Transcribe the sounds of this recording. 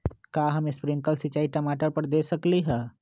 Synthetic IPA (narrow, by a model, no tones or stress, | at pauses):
kaːɦɐmespɾɪ̃ŋkəlsɪt͡ʃaːiʈɐmaːʈəɾpəɾd̪eːsɐkliɦɛː